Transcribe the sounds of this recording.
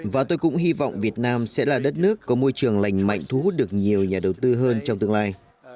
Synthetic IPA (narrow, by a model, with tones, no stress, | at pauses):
vaː˨˩t̪o˧jkʊ̰˧˥ŋ͡mɦi˧vɔ̰˧˨wŋ͡mvi˨˩ət̚naː˧msɛ̰˧˥laː˨˩ɗə˦˥t̚nɨ˦˥əkːɔ˨˦mo˧jt͡ɕɨ˨˩əŋla̰˧˨jŋ̟ma̰˧˨jŋ̟t̪ʰu˧˦hu˦˥t̚ɗɨ˨˩ək̚ɲi˨˩əwɲaː˨˩ɗə˨˩wt̪ɨ˧ɦəː˧nt͡ɕɔ˧ŋ͡mt̪ɨ˧əŋlaː˧j